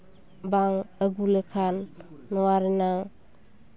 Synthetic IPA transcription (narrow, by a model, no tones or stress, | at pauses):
baŋəɡulekʰanːɔwaɾinaŋ